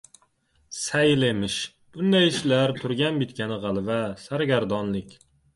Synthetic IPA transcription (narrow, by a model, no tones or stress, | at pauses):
sɛjlemɪʃ | b̥und̪ɛjiʃlæɾt̪ʰʊɾɡʲɛnbit̪̚kʲɛnɪʁælˠvɛsæɾɡʲæɾd̪ɑnlˠɪkʲ